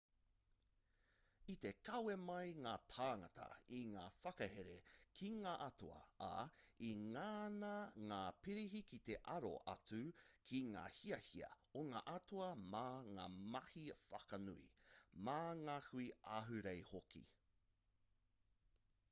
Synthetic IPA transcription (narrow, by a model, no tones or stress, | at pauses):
it̪e̞kɐwemɐjŋaːtʰaːŋɐtʰɐ̰iŋaːfɐkɐheɾekʰiŋaːʔɐtuɐ̰a̰iŋaːnɐŋaːpiɾiɦikit̪eʔɐɾo̰ʔɐ̰t͡sʉkʰiŋa̰ːhiɐhiɐ̰ | oŋaːʔɐtuɐmaːŋaːmɐhifɐkɐnuḭmaŋahuiaɦʉɾejhokḭ